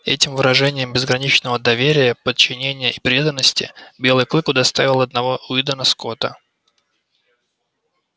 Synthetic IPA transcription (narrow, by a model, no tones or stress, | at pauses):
ɛ̰tʲɪmvɨɾɐʐɛnʲɪjɪmbʲɪzɡɾɐnʲit͡ɕnəvəd̪ɐvʲeɾʲɪjəpət̪̚t͡ɕːɪnʲenʲɪjəʔipɾʲe̞d̪ənːəsʲtʲɪ̰bʲe̞lˠɨjklˠɨkʊd̪ɐst̪avʲɪlˠɐd̪nɐvoʔʊid̪ənɐsko̞t̪ə